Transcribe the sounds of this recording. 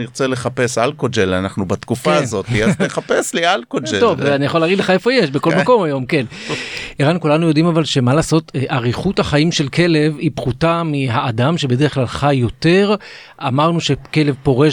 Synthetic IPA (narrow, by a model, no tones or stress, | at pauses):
niʁt͡seleχape̞sa̰lkod͡ʒelanaχnubat̪kufaːnzo̞t̪iazeχapeslialkod͡ʒet̪o̞vanijaχolaɡidleχae̞fo̞jeʃbe̞ko̞lmako̞majo̞mke̞niʁankulanujo̞dimavalʃe̞malaːso̞tʔaʁiχuthaχaimʃe̞lke̞le̞vipχutamiɦaːdamʃebede̞ʁeχklalχajːo̞te̞ʁ | amaʁnuʃe̞ke̞le̞vpo̞ʁe̞